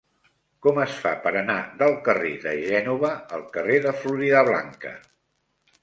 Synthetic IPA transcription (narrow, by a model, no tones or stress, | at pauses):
kɔməsfa̰pəɾənaðəlˠkərḛðəʒɛnuβəəlˠkəreðəfluɾiðəβla̰ŋkə̰